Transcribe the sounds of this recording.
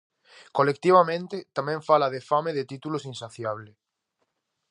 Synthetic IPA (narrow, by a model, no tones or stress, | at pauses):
kolek̚t̪iβ̞amẽnt̪et̪amẽɱfalað̞efameðet̪it̪ulosinsaθjaβle